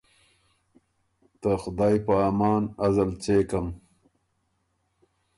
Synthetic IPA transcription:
t̪axʊd̪ɑːjpəaːmɑːnɐzɐlt͡seːkɐm

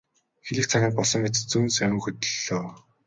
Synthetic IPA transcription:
xeɮɘ̆k̚t͡sʰaɣʲaːnpɔɮsɞ̆ŋːet͡st͡sunsamʲɵ̆ːxɵt̪ɵ̆ɮoː

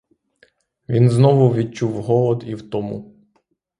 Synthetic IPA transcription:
ʋʲinznɔʋʊʋʲid̚t͡ʃuwɦɔlˠɔd̪iwt̪ɔmṵ

